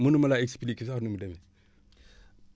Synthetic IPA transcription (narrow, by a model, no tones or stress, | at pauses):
munumalaekspilikis̬aɾnumidame